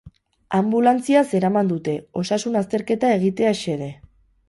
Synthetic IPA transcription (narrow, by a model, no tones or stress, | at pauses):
ambulant͡siase̞ɾamand̪ut̪e̞o̞sasunast̪e̞ɾke̞t̪ae̞ɣ̞it̪e̞aʃe̞ðe